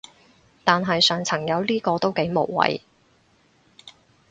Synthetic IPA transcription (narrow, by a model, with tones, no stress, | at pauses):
t̪aː˨nɦɐ˨jsœː˨ŋt͡sʰɐ˨˩ŋjɐ˨˧wliː˥kɔː˧t̪o˥wke˨˥jmo˨˩wwɐ̰˨j